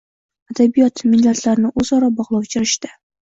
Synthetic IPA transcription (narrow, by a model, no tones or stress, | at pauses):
ad̪abijɒt̪mɪlːat̪ʰlaɾɪnɪʔɵzɒɾɒbɒʁlˠɒwt͡ʃʰɪɾɪʃt̪ɪ̥